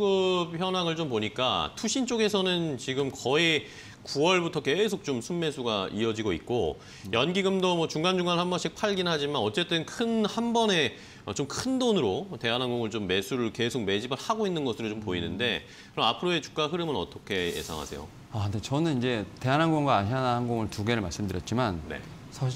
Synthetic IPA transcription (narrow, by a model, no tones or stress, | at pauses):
ɡɯpʰjʌnɦaŋɯɭt͡ɕompoɲik͈a̰tʰuɕʰint͡ɕ͈oɡe̞sʰʌnɯnt͡ɕiɡɯmkʌi | kuwʌɭbutʰʌke̞sʰok̚t͡ɕomsʰumːe̞sʰuɡaḭʌd͡ʑiɡoit̚k͈o | jʌnɡiɡɯmdomwʌt͡ɕuŋɡand͡ʑuŋɡanɯɭhanbʌnɕʰik̚pʰaɭɡinɦad͡ʑimanʌt͡ɕ͈e̞t͈ɯnkʰɯnhanbʌne̞ | ʌt͡ɕomkʰɯndonɯɾote̞ɦanɦanɡoŋɯɭt͡ɕomːe̞sʰuɾɯɭke̞sʰok̚me̞d͡ʑibɯɭhaɡoinːɯnɡʌsʰɯɾot͡ɕompoinɯnde̞ | kɯɾʌmapʰɯɾoe̞t͡ɕu̥k̚k͈aɦɯɾɯmɯnʌ̰t͈ʰʌkʰe̞jḛsʰa̰ŋɦa̰sʰe̞̰jo̰ | adet͡ɕʌnɯnind͡ʑe̞te̞anɦanɡoŋɡwaːɕanahanɡoŋɯɭtuɡe̞ɾɯɭmaɭs͈ɯmdɯɾjʌt̚t͡ɕ͈imanne̞̰ | sʰa